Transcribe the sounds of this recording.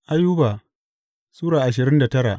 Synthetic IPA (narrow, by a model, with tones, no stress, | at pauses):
ʔa˦jːu˦baː˨ | suː˦ɽaː˨ʔa˨ʃ̬ɪ˨ɾɪ˦nda˨tɐ˦ɽa˨ʔ